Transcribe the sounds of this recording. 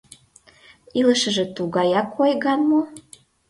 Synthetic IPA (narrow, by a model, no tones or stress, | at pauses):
iləʃə̆ʒĕt̪uɣɑjɑkʰojɣɑnmo